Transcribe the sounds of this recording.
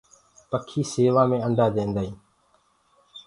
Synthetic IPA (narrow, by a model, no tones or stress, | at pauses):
pəkʰiːseːʋaːmẽːəɳɖʱaːd̪ẽːnd̪aːĩː